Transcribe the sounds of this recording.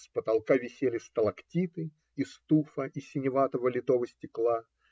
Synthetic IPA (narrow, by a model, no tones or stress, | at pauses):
spət̪ɐlˠkavʲɪsʲelʲɪst̪əlˠɐktʲit̪ɨ | ist̪ufəʔisʲɪnʲɪvat̪əvəlʲɪt̪ovəsʲtʲɪklˠa